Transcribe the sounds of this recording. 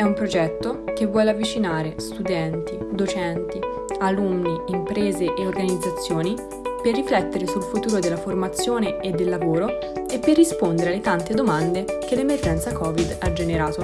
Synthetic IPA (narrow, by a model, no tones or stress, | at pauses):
ɛumpɾod͡ʒɛt̪ːokevːwɔːleavːit͡ʃinaːɾest̪ud̪ɛnt̪id̪ot͡ʃɛnt̪i | alunːiimpɾeːzeʔeorɡanid̪zːat̪sːjoːni | perːiflɛt̪ːeɾesulfut̪uːɾod̪elːaformat̪sːjoːneed̪ːelːavoːɾo | epːerːispond̪eɾealːet̪ant̪ed̪omand̪ekelːemerd͡ʒɛnt̪sakɔːvid̪ad͡ʒːeneɾaːt̪o